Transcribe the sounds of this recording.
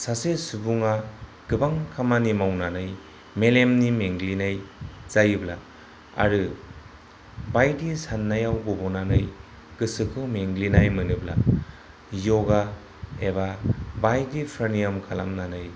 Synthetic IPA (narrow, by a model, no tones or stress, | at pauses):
sasesubuŋa | ɡ̥ɯbaŋkʰamanimawnanɯj | melemnimeŋɡlinajzajɯbla | a̰ɾɯ | bajdisanːajawɡɔbɔnanɯj | ɡ̥ɯsɯkʰɯmeŋɡlinajmɯnɯbla̰ | jɔɡa | ebabajdipʰɾanijamkʰala̰mnanɯj